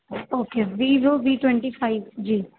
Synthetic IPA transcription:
oːkeːʋiːʋɪlbiːʈwɛ̃ɳʈifaɪʋd͡ʒiː

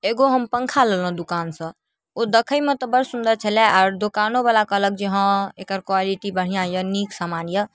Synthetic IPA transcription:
eɡoɦəmpəŋkʰalelə̃d̪ukansə̃ | od̪əkʰəjmet̪əbəɾsund̪əɾt͡ʃʰəlɛʔaɾd̪okanoβalakələk̚d͡ʒeɦə̃ekəɾkwaliʈibəɽ̤ijãjəniksamanjə

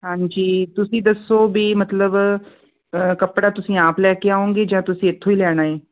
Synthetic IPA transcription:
ɦãːɲd͡ʒiːt̪ʊsĩːd̪əsːoːbiːmət̪ləb | kəpɽaːt̪ʊsĩːaːplɛːkeaːõːŋɡeːd͡ʒãːt̪ʊsĩːɪt̪ʰːoːiːlɛːɽ̃aːeː

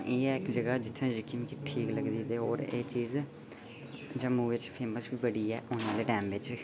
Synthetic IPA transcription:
eːɪkd͡ʒəɡaːd͡ʒɪt̪ʰːẽːd͡ʒɪkimkiʈʰiːkləɡd̪iːd̪eːɦoːɾeːt͡ʃiːz | d͡ʒãːmuːʋɪt͡ʃpʰeːməsbiːbəɽiːɛːʔʊːnãːleːɖɛ̃ːmʋɪd͡ʒ

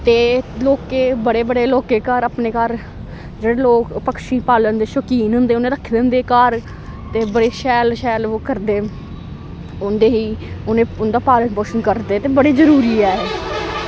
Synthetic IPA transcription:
t̪eːloːkeːbəɽeːbəɽeːloːkeːkaːɾapneːkaɾ | d͡ʒeːɽeːloːkpəkʃiːpaːlənd̪eːʃəkiːnɦʊ̃nd̪eːʊnẽːd̪aːkʰːɪd̪ənd̪eːkaːɾ | t̪eːbəɽeːʃɛːlʃɛːloːkəɾd̪eː | ʊnd̪eːɦiːʊnẽːʊnd̪aːpaːlənpoːʃənkəɾd̪eːt̪eːbəɽeːzəɾuːɾiːɛːeː

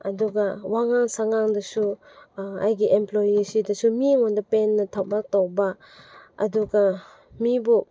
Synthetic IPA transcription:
ɐduɡawaŋaŋsaŋaŋdɐsu | a̰jɡiʔemplojisidɐsumiŋondɐpenːɐtʰawmak̚tawba | ɐ̰duɡa | mibu

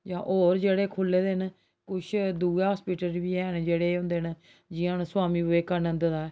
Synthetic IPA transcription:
d͡ʒãːʔoːɾd͡ʒeːɽeːkʰʊlːeːd̪eːɦən | kʊʃʰd̪uːɦaːspiːʈəlbiːɛːɦnd͡ʒeːɽeːɦʊ̃ːnd̪eːɦn | d͡ʒɪãːnsʊaːmiːbeːkənə̃nd̪d̪aːɛː

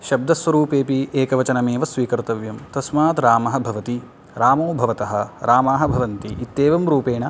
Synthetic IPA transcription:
ʃɐb̚d̪ɐsʋɐɾuːpeːpiʔeːkɐʋɐt͡ʃɐnɐmeːʋɐsʋiːkɐɾt̪ɐʋjɐmt̪ɐsmaːt̪ɾaːmɐɦɐbʱɐʋɐt̪i | ɾaːmoːbʱɐʋɐt̪ɐɦɐɾaːmaːɦɐbʱɐʋɐnt̪iʔit̪ːeːʋɐmɾuːpeːɳɐ

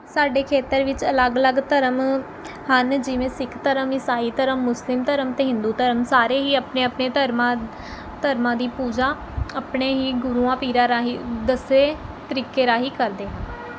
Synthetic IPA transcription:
saːɖeːkʰeːt̪əɾʋɪt͡ʃələɡələɡt̪əɾəm | hənd͡ʒɪʋẽːsɪkʰt̪əɾəmɪsaːiːt̪əɾəmːʊslɪmt̪əɾəmt̪eːɦɪ̃nd̪uːt̪əɾəmsaːɾeːɦiːəpneːəpneːt̪əɾma | t̪əɾmãːd̪iːpuːd͡ʒaː | əpɳeːɦiːɡʊɾuːãːpiːɾaːɾaːɦid̪əseːt̪əɾiːkeːɾaːɦiːkəɾd̪eːɦən

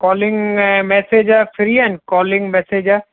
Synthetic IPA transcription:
kɔːlɪ̃ŋɡmɛːseːd͡ʒafʰɪɾiːɛnkɔːlɪ̃ŋɡmɛːseːd͡ʒa

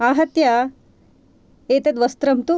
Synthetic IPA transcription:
aːɦɐt̪jɐ | eːt̪ɐt̪ʋɐst̪ɾɐmt̪u

